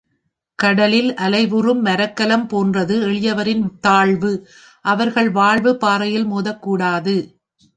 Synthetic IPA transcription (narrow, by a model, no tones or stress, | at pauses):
kɐɽɐlɪlʔɐlɐɪʋɯrɯmːɐɾɐkːɐlɐmpoːndrɐðɯɛɭɪjɐʋɐɾɪnt̪aːɭʋɯ | ʔɐʋɐɾɣɐɭʋaːɭʋɯpaːɾɐjɪlmoːðɐkːuːɽaːðɯ